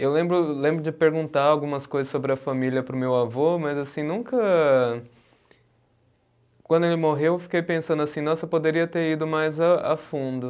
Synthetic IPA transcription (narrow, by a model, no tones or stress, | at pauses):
ewlẽmbɾʊlẽmbɾʊd͡ʒɪpeɾɡũnt̪aɾawɡũmɐskojzɐsːobɾɪɐfamiliɐpɾʊmewavomɐzasĩnũkɐ | kwɐ̃nd̪ʊelɪmoɦewefi̥kejpẽsɐ̃nd̪ʊasĩnɔ̃sewpod̪eɾiɐt̪eɾid̪ʊmajzaa̰fũnd̪ʊ